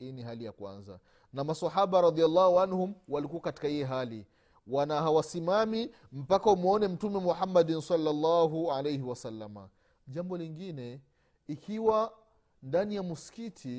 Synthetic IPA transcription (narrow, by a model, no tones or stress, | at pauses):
hiːniɦalijakwa̰nza̰ | namasaħaɓaɾɑd̪ialːahuanhumwalikuwakati̥kahijɛɦalḭ | wanaɦawasimami | m̩pakaumɔnɛm̩tumɛmuħamːadinsɑlːalːaɦualejhiwasalːama̰ | ʄambɔliŋɡinɛ | ikʰiwa | ndanijamuskitʰi